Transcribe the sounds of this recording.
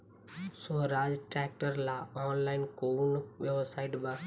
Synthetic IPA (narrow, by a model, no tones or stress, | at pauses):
soɦɾad͡ʒʈɾɛk̚ʈəɾlaɔnlainkounʋjebsaiʈbã